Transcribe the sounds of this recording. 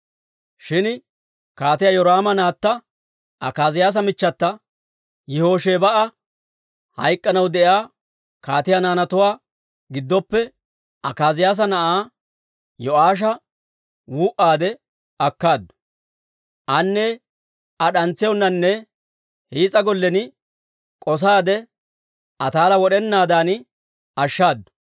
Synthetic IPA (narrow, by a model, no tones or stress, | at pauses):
ʃɪn | kaːt̪ɪjajɔɾaːmɐnaːt̪ːɐ | ʔɐkaːzɪjaːs̬ɐmɪt͡ʃːɐt̪ːɐ | jɪho̞ːʃeːbɐʔɐ | hɐ̰jkʼːɐnɐwd̪ɛjaː | kaːt̪ɪjanaːnɐt̪ʊwaː | ɡɪd̪ːɔpːɛ | ɐkaːzɪjaːs̬ɐnɐʔaː | jɔʔaːʃ̬ɐ | wuːʔaːd̪ɛ | ɐkːaːd̪ːʊ̥ | ʔɐnːɛ | ɐɗɐnt͡sːɪjɔnːɐnːɛ | hiːt͡sʼɐɡɔlːɛnɪ | kʼɔs̬aːd̪ɛ | ʔɐt̪aːlɐwɔɗɛnːaːd̪aːnɪ | ɐʃːaːd̪ːʊ̥